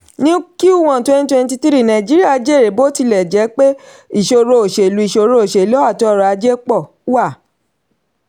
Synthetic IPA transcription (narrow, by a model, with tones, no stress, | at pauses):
nĩ˦ki˦u˦˨wã˨twɛ̃˦ni˦twɛ̃˧n˦ti˧ti˦ɾi˦˨nã˨d͡ʒi˦ɾi˦a˦˧d͡ʒe˦˨ɾe˨˦bo˦ti˧˨lɛ˨d͡ʒɛ˨˦k͡pe˦ | i˦˨ʃo˧ɾo˧o˨ʃe˨lu˨˦i˦˨ʃo˧ɾo˧o˨ʃe˨lɔ˨˦a˦˨tɔ˦˧ɾa˧d͡ʒe˦k͡pɔ˦˨˦wa˦˨